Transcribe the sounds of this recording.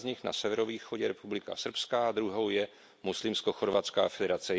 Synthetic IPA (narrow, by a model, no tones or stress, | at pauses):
zɲɪxna̰sɛvɛɾoviːxoɟɛɾɛpublɪka̰sr̩pskaːd̪ɾuɦo̞wjɛ | muslɪmskoxoɾvat͡ska̰ːfɛdɛɾat͡sɛ